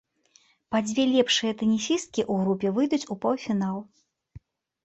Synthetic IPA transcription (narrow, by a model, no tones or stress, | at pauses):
pad͡zʲvʲɛlʲɛpʂɨjɐt̪ɛnʲisʲist̪̚kʲiʔuɣɾupʲɛvɨjd̪ut͡sʲupawfʲinalˠ